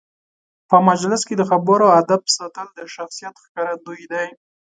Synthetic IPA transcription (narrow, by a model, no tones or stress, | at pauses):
pəmad͡ʒlɪsked̪əxabəɾoad̪absat̪əld̪əʃaxsijat̪xkɑɾad̪ujd̪aj